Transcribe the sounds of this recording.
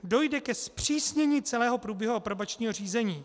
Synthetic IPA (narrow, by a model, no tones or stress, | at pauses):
do̞jdɛkɛspr̝̥iːsɲɛɲiːt͡sɛlɛːɦo̞pɾuːbjɛɦuʔopɾobat͡ʃɲiːɦo̞r̝iːzɛɲiː